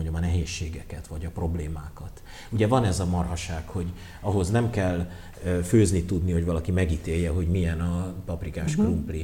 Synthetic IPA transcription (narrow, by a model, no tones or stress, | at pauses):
oɲdomɒnɛɦeːʃːeːɡɛkɛt̪ʋɒɟɒpro̞bleːmaːkɒt̪ | uɟɛvɒnɛzɒmɒrɦɒʃaːkho̞ɟ | ɒɦo̞znɛmkɛlː | føːznit̪ud̪niho̞ɟvɒlɒkimɛɡit̪eːjːɛɦo̞ɟmijɛnɒpɒprikaːʃkrumpli